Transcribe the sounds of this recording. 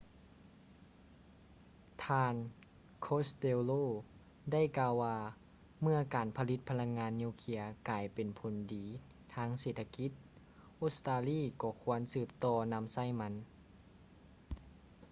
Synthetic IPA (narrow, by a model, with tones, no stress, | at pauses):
t̪ʰaː˧n | kʰo˧˦˥st̪e˧loː˥˨ | da˥˩jkaː˧waː˧ | mɯ˧ɐkaː˨˩npʰa˧li˧˦t̪̚pʰa˧la˧˥ŋːaː˧˥nːiː˧˥˩wkʰi˧ɐkaː˨˩jpe˨˩npʰo˨˩ndiː˨˩ | t̪ʰaː˧˥ŋseː˨˩t̪ʰːa˧ki˧˥t̪̚ | ʔoː˦˧˥st̪aː˧liː˧˥˩kɔː˧˩kʰu˧˥ɐə˨nsɯː˧˩p̚t̪ɔː˧na˧˥˨msa˥˩jma˧˥n